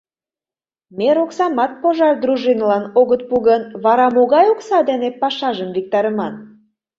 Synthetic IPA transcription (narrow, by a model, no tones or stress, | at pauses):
meɾoksɑmɑt̪̚poʒɑrd̪ɾuʒinlɑnoɣət̪̚puɣənβɑɾɑmoɣɑjoksɑd̪enepɑʃɑʒəmvik̚t̪ɑɾəmɑn